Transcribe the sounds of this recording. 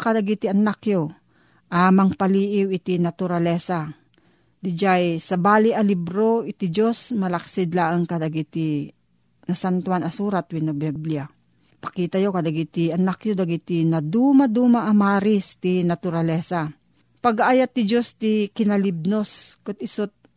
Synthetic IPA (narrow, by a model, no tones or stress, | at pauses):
kad̪aɡit̪iɐnakjo | ʔamɐŋpaliːʔɪwɪt̪inat̪ʊɾalɛsa | d̪ɪd͡ʒajsɐbaːlɪʔɐlibɾoɪt̪id͡ʒosmɐlɐksɪd̪laʔaŋkad̪aɡit̪i | nɐsant̪wanɐsuːɾat̪winobɛblia | pɐ̥kiːt̪ajokad̪aɡit̪iɐnakjod̪aɡit̪inɐd̪uːmad̪uːmaʔːmaːɾɪst̪inat̪ʊɾalɛsa | pɐɡaʔajat̪ːɪd͡ʒost̪ikɪnalib̚noskʊt̪̚ɪsʊt̪̚